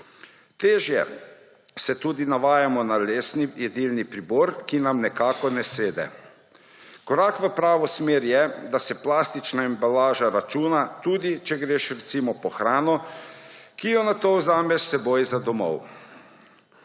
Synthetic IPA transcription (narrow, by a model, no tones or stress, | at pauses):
t̪eːʒjɛ̰ | sɛt̪uːd̪inaʋaːjamɔnaleːsnijɛd̪ilnipɾibɔːɾkinamnɛkaːkɔnɛseːd̪ɛ̰ | kɔɾaːkʋəpɾaːʋɔsmeːɾjɛd̪asɛplaːst̪it͡ʃnaimbalaːʒaɾat͡ʃuːnat̪uːd̪it͡ʃɛɡɾeːʃɾɛt̪simɔpɔxɾaːnɔ | kijɔnat̪owzaːmɛsɛboːjzad̪ɔmɔ̰w